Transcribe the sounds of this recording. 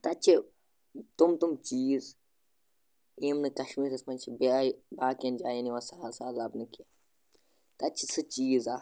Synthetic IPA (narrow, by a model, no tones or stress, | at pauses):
t̪ɐt͡ʃʰi | t̪umt̪umt͡ʃiːz | eːmnɨkɐʃmiːɾɐsmɐnt͡ʃʰibabaːkɐnd͡ʒaːjiniʋasaːsaːlɐbnɨka | t̪ɐt͡ʃʰi̥sɨt͡ʃiːzaː